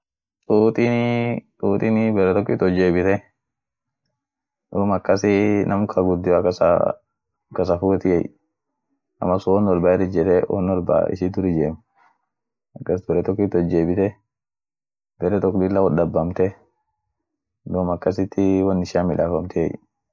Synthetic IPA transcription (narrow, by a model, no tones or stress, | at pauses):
t̪ʼuːt̪ʼit̪uːt̪ʼɪnɪbɛɾɛt̪ɔk̬ːɪt̪ːɔd͡ʒeːbɪt̪ɛ | d̪oːmɐkːɐsɪnɐmkʰɐɡʊd̪ːɪakɐsa̰ | kːɐs̬ɐfuːt̪ɪjɛ̰j | ɐ̰mːɐsʊɔnɔɾbaːɛɾɪd͡ʒɛt̪ɛwo̰nɔɾba̰ɪ̰ʃɪt̪ʊɾɪd͡ʒeːm | ɐkːɐsbɛɾɛt̪ɔk̬ːɪt̪ːɔd͡ʒːeːbɪt̪ɛ | bɛɾɛt̪ɔkːd̪ɪlːawɔd̪ɐbːɐmt̪ɛ | d̪oːmɐkːɐsɪt̪ːɪwɐnːɪʃaːmɪlaːfɐmt̪ʰɛjɛj